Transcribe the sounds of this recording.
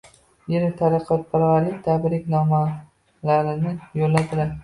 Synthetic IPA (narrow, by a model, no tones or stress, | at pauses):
jeɾɪt̪ʰaɾɪqʰɒt̪̚paɾaɾɪt̪ʰabɾɪkʲnɒma | laɾɪnɪjolːad̪ɪla